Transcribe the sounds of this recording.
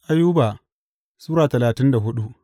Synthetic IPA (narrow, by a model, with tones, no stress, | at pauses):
ʔa˦jːuː˦ba˨ | suː˦ɾaː˨tɐ˨laː˨tɪ˦nda˨ɦʊ˦ɗu˦ʔ